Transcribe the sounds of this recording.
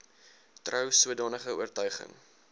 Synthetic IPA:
trœwsuədɑːnəχəṵərtœɥχə̰ŋ

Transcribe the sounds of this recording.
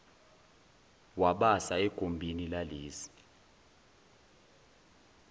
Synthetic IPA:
waɓasaɛɡ̥ʱombʱinilaliːsi̥

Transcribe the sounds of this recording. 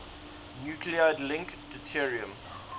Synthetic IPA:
njukʰliaɪdlɪ̃ŋkd̥ətʰiɹiə̃m

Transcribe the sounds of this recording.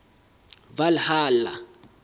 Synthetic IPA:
valhaːla

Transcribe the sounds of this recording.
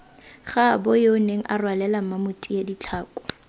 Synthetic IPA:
χabɔjoʊneŋ̩ʔarwalɛlamamʊtʼijedit͡ɬʰaːkʼɔ̥

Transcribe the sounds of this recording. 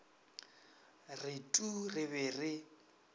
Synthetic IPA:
rɪtʼurɪβɛrɪ

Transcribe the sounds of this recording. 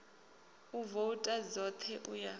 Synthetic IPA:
uvoutʼazɔt̪ʰɛʔuja

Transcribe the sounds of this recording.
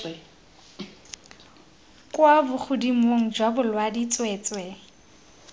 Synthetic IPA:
kʼwabʊk͡xʰʊdimoŋ̩d͡ʒwabʊlwadit͡sʼwɛːt͡swɛ

